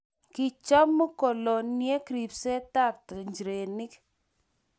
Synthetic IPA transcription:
ki˨t͡ʃɔ˦mːu˦ko˨lo˨nje˦kɾi˨pse˦ta˦˨ptɲd͡ʒɾe˨nɪ˦k

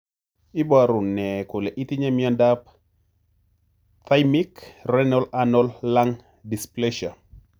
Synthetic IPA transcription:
i˦ba˨ɾʊ˨nɛ˨ko˨lɛ˨ʔi˦t̪i˦ɲa˦mia˦nda˦p̚ | t̪a˦jmi˦krɛnɔ˦la˦nɔ˦lːa˦ŋ | di˨splɛ˦ʃa̰˨

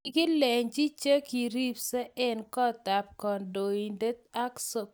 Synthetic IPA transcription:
kɪ˦lɛ˨ɲd͡ʒi˦t͡ʃe˦ki˨ɾi˦psɛ˦ʔɛ˦nkɔ˦ta˨p̚kɔ˨ndo˨i˨nde˦t̪̚a˦kso˨

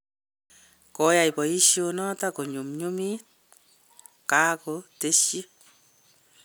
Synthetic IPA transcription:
kɔ˦ja˨jpɔ˨i˦ʃjonɔ˦tako˨ɲu˨mɲu˦mit̚ | ka˦kote˦ʃi˦

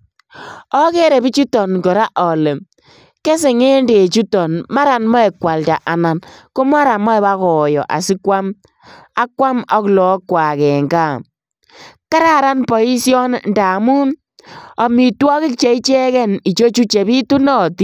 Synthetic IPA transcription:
ɔ˦ke˦ɾe˨bi˦t͡ʃu˦tɔ˨nkɔ˨ɾa˦ʔɔ˨le˨ | ke˦s̬e˨ŋe˦nde˨t͡ʃu˦tɔ˨nma˦ɾa˨nmɔ˦e˨kwa˨lta˨ʔa˨na˨nko˦ma˦ɾa˨mɔ˦ɛ˨ba˦kɔ˨jɔ̰˨ʔa̰˨si˦kwa˦m | a˦kwa˦mɔ˦klɔ˨˦kwa˨kɛ˨ŋɡa˦˨ | ka˦ɾa˦ɾa˦npɔ˨i˦sjɔ˦nnda˨mu˦n | ɔ˨mi˨twɔ˦kɪ˦k̚t͡ʃe˨i˦t͡ʃɛ˦kɛ˦ni˨t͡ʃo˦t͡ʃu˦t͡ʃe˨bi˦tu˦nɔ˦ti˦

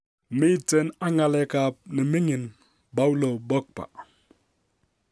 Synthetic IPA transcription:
mi˦te˦na˦ŋa˨le˨ka˨p̚ni˨mi˦ŋi˨n | ba˦u˦lo˨bo˦k̚pa̰˨

